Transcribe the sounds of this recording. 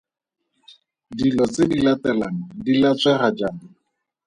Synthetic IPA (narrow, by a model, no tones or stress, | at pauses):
dilɔt͡sedilatɛlaŋ̩dilat͡sʼwɛχad͡ʒamɪ